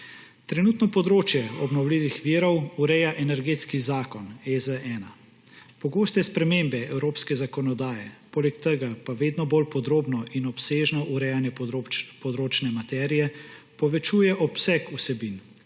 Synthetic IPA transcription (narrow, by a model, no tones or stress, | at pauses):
t̪ɾɛnuːt̪nɔpɔd̪ɾoːt͡ʃjɛɔbnɔwliːʋixʋiːɾɔwuɾɛjaʔɛnɛɾɡeːt̪skizaːkɔnezəɛːna | pɔɡoːst̪ɛspɾɛmembɛɛwɾoːpskɛzakɔnɔd̪aːjɛpoːlɛkt̪əɡapaʋeːd̪nɔbolpɔd̪ɾoːbnɔʔinɔpseːʒnɔʔuɾɛjanjɛpɔd̪ɾoːt͡ʃnɛmat̪ɛːɾijɛpɔʋɛt͡ʃuːjɛʔɔpsɛkusɛbin